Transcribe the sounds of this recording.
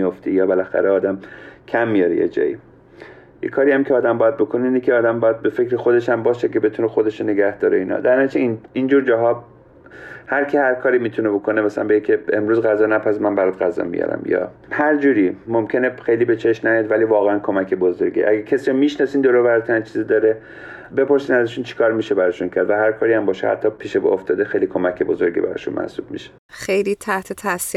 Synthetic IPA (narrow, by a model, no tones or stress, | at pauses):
ijoft̪ʰijɒːbelæxæ̰ɾeɒːd̪æmkʰæmːijɒɾejḛd͡ʒɒ̰ːjḭ | jḛkʰɒːɾiæmcʰeɒːd̪æmbɒːjæd̪̚bo̞kʰoneiːnekʰʲeɒːd̪æmbɒːjæd̪̚be̞fe̞kɾexo̞d̪e̞ʃæmbɒːʃekʰe̞be̞t̪ʰunexod̪e̞ʃone̞ɡæhd̪̥ɒːɾeiːnhɒ̰ːd̪æɾnɒt͡ʃʰeinind͡ʒuːɾd͡ʒɒːɦɒːb | hæɾcʰehæɾkʰɒːɾimiːt̪ʰunebo̞kʰo̞nemæsælænmbeekʰeemɾuːzɣæzɒːnæpʰæsmænbæɾad̪ɣæzɒ̰ːmḭjɒ̰ɾæ̰mjɒ̰ | hæɾd͡ʒuːɾiːmomcʰe̞nexejliːbet͡ʃʰe̞ʃmnæjɒd̪væliːvɒːɣeænkʰo̞mæcʰe̞bozo̞ɾɡḭʔæɡæcʰesiːomiʃnɒːsiːnd̪oɾoːvæɾt̪ʰæænt͡ʃʰiːzid̪ɒːɾe | be̞pʰo̞ɾsiːnæzæʃuːnt͡ʃʰi̥kʰɒːɾmiːʃebæɾɒʃuncʰæɾd̪væhæɾkʰɒːɾiæmbɒːʃehæ̰t̪ʰːɒpʰiːʃeboft̪ɒːd̪exejliːkʰo̞mækʰebo̞zo̞ɾɟḭbæ̰ɾɒ̰ːʃṵnmæ̰hsṵːb̥̚mḭʃe̥ | χejliːt̪ʰæht̪ʰet̪ʰæsi